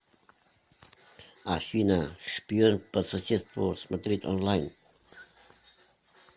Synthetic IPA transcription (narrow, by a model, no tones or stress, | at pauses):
aʃinaʃpionpəsasest̪woɾsmad̪ɾit̪ɔ̰nlajn